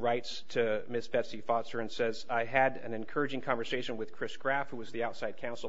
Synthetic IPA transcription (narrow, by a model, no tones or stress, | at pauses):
ɹaɪtstʰɨmɪsb̥ɛtsifɑtsə˞ɨ̃nsɛzaɪɨɾɨ̰̃nɨ̃nkʰɜ˞ɨd͡ʒɪ̃ŋkʰɑ̃ɱvə˞seɪʃɨ̃nwɨð̥kʰɹ̥ɪsɡ̥ɹæfhuwʌzðiaʊtsaɪd̚kʰãʊ̃nsl̩ˠ